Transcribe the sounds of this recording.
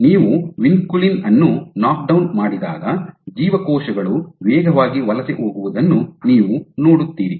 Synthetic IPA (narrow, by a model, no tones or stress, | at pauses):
niːʋuʋinkulinɐnːunaːk̚ɖɐwnmaːɽid̪a̰ːɡɐd͡ʒiːʋɐkɔːʃɐɡɐɭuʋɛːɡʱɐʋaːɡiʋɐlɐseʔoːɡuʋud̪ɐnːuniːʋuno̞ːɽut̪ːiːɾi